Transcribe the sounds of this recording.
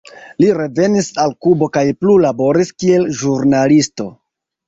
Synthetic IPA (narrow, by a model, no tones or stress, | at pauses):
liɾe̞ve̞nisalkubo̞kajplulabo̞ɾiskie̞lʒuɾnalisto̞